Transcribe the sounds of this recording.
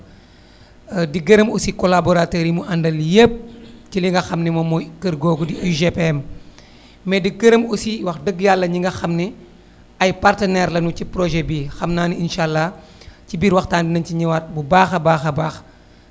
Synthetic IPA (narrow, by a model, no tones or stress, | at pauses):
diɡəɾəmusikɔlabɔɾatoɾimuʔɐndɐljep̚ciliŋɡɐxɐmnimɔmɔjkərɡɔːɡudiʔiʒepɛm | mɛdiɡəɾəmusiwɐxdəɡjalːɐɲiŋɡɐxɐmni | ɐjpartɐnɛːɾlɐnucipɾɔʒɛbixɐmnaːninʃalːa | cibiːɾwɐxtaːndinɐnciɲiwɐt̚bubaːxɐbaːxɐbaːx